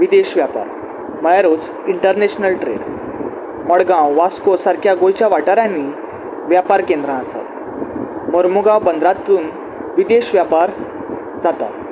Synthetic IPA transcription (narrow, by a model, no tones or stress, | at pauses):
ʋid̪eɕʋjapa̰ɾ | məjaɾot͡s | iɳʈəɾneɕnəlʈɾḛɖ | məɽɡãwʋaskosaɾkʰjaɡojt͡ɕjaʋaʈaɾãnːiː | ʋjapaɾkẽnd̪ɾãasa̰t̪ | məɾmuɡawbənd̪ɾat̪ːuːn | ʋid̪eɕʋjapaɾ | d͡zat̪a̰